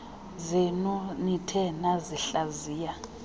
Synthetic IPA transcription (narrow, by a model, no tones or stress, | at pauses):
zɛnɔnitʰɛnaziɬaziːja